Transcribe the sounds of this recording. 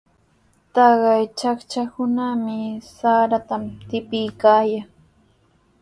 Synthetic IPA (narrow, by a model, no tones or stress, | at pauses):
t̪ɑɢɑjt͡ʃakt͡ʃakʊnamɪsaːɾat̪amt̪ɪpɪjkaːjaŋ